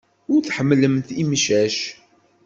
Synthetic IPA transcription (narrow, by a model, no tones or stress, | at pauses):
ʊɾθħəmːləmt̪imʃæʃ